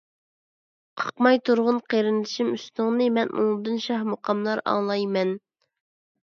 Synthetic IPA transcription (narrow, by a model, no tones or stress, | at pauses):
qʰɑ̥qmɑjt̪ʰuɾʁʊnqʰeɾɪnd̪ɪʃimysnʊŋnɨmɛnʔṵŋd̪ɨnʃɑhmoqʰɑmlˠɑɾɑ̰ŋlˠɑjmɛn